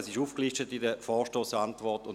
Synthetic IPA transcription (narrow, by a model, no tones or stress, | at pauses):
sɪʃuːfklɪʃtətidəfɔːʃtoːsantvɔʁtʊn